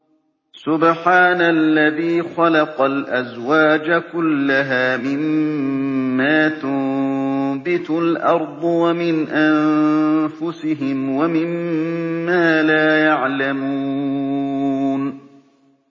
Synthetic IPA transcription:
sʊbħaːnalːaðiːxɑlɑqɑlʔazwaːd͡ʒakʊlːaɦaːmɪmː | aːt̪ʊm | bɪt̪ʊlʔɑɾˤd̪ˤwamɪnʔanfʊsɪɦɪmwamɪmː | aːlaːjaʕlamuː | n

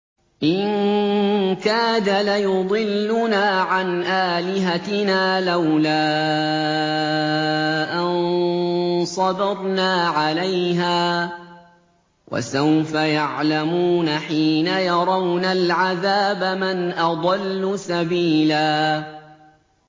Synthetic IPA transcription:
ʔɪŋ | kaːd̪alajʊd̪ˤɨlːʊnaːʕanʔaːlɪɦat̪ɪnaːlawlaː | ʔan | sˤɑd̪ɑɾˤnaːʕalajɦaː | wʔa̰sawfajaʕlamuːnaħiːnajɑɾˤɑwnalʕaðaːbamɪnʔɑd̪ˤɑlːʊsabiːlaː

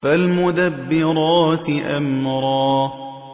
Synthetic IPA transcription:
falmʊd̪abːɪɾˤɑːt̪ʔa̰mɾˤɑː

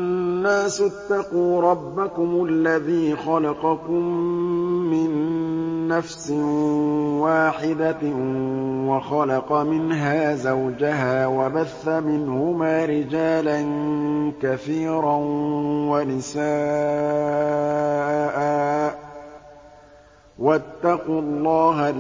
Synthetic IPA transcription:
nːaːsʊt̪ːɑquːɾˤɑbːakʊmalːaðiːxɑlɑqɑkʊmː | ɪnː | afsɪ | waːħɪd̪a | waxɑlɑqɑmɪnɦaːzawd͡ʒaɦaːwabaθːamɪnhʊmaːɾɪd͡ʒaːlankaθiːɾanwanɪsaː | ʔaː | wat̪ːɑqulˤːɑːɦa

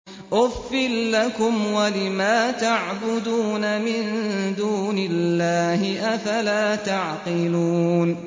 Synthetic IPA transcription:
ʔʊfːɪlːakʊmwalɪmaːt̪aʕbʊd̪uːnamɪnd̪uːnɪlːaːhɪʔafalaːt̪aʕqɪluːn

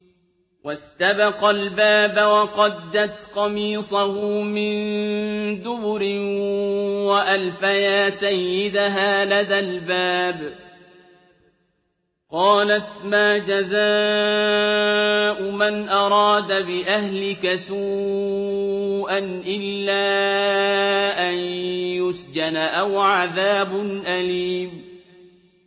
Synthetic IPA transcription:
wʔast̪abɑqɑlbaːbawɑqɑd̪ːat̪qɑmiːsˤɑhʊmɪn | d̪ʊbʊɾɪn | waʔalfajaːsajːɪd̪aɦaːlad̪albaːb | qɑːlat̪maːd͡ʒazaː | ʔʊmanʔɑɾˤɑːd̪abɪʔahlɪkasuː | ʔanʔɪlːaː | ʔanjʊsd͡ʒanaʔawʕaðaːbʊnʔaliːm

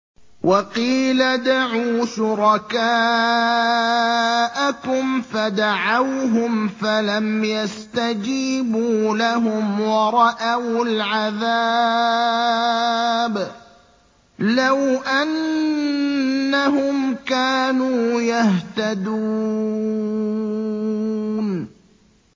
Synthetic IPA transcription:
wʔɑqiːlad̪aʕuːʃʊɾɑkaː | ʔakʊmfad̪aʕawɦʊmfalamjast̪ad͡ʒiːbuːlaɦʊmwɑɾˤɑʔawlʕaða | b | lawʔan | aɦʊmkaːnuːjaht̪ad̪uː | n

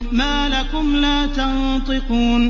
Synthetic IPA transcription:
maːlakʊmlaːt̪ɑnt̪ˤɨquːn

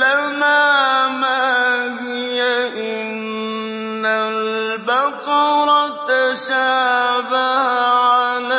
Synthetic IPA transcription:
lamaːmaɦɪjaʔɪ | nː | albaqɑɾˤɑt̪aʃaːbahʕala

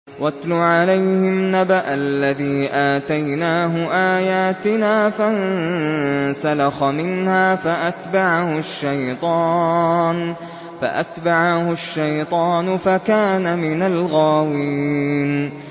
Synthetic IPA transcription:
wat̪lʊʕalajhɪmnabaʔalːaðiːʔaːt̪ajnaːɦʊʔaːjaːt̪ɪnaːfan | salɑxamɪnhaːfaʔat̪baʕahʊʃːajt̪ˤɑːn | fa̰ʔa̰t̪baʕahʊʃːajt̪ˤɑːnʊfakaːnamɪnalɣaːwiːn

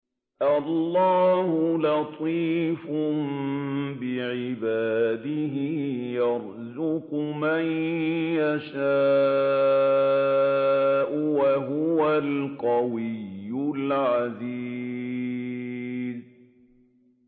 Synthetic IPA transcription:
ʔalˤːɑːhʊlɑt̪ˤiːfʊmbɪʕɪbaːd̪ɪɦɪjɑɾ | zʊqʊmanjaʃaː | ʔʊwaɦʊwalqɑwɪjːʊlʕaziː | z

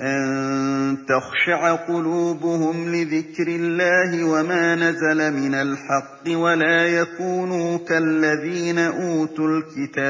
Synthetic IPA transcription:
ʔant̪axʃaʕaqʊluːbʊhʊmlɪðɪkɾɪlːaːɦɪwamaːnazalamɪnalħɑqːɨwalaːjakuːnuːkalːaðiːnaʔuːt̪ʊlkɪt̪aːb

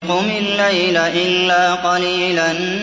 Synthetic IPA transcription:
qʊmɪlːajlaʔɪlːaːqɑliːlan

